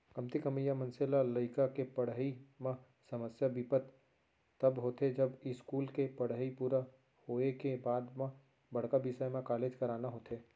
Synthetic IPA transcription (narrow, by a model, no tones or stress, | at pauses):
kɐmt̪ikɐmijamɐ̃nselalɐɪkakepɐɽ̤ɦimã | sɐməsjabɪpət̪ | t̪ɐbɦoːt̪ed͡ʒɐbɪskuːlkepɐɽ̤əipuːɾa | hoːekebaːd̪mã | bɐɽ̤kabɪsajmẽkaːleːd͡ʒkɐɾaːnaɦoːt̪eː